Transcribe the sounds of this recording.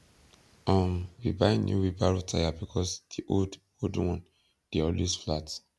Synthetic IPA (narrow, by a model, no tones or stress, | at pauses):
ɔ̃mwḭbãnjṵwibaɹotʰajabikʰɔsd̥iʔold | odwɔ̃n | d̥eɔlwesflat